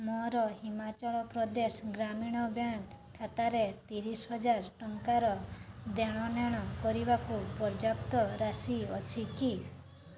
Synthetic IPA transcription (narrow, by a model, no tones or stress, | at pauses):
mɔɾɔhimat͡ʃɔɭɔpɾɔd̪esɔɡɾamiɽ̃ɔbjãkʰat̪aɾet̪iɾisɦɔd͡ʒaɾʈɔŋkaɾɔd̪eɽ̃ɔnjaɽ̃ɔkɔɾibakupɔɾd͡ʒapt̪ɔɾasiɔt͡ʃʰiki